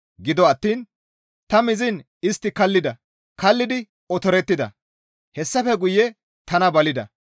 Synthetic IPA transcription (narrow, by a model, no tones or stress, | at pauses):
ɡɪd̪ɔɐt̪ːiːn | t̪ɐmɪzɪn | ɪst̪ːɪkɐlːɪd̪ɐ | kɐlːɪd̪ɪ | ɔt̪ɔɾɛt̪ːɪd̪ɐ̰ | hɛsːɐfɛɡʊjɛ | t̪ɐnɐbɐlɪd̪ɐ̰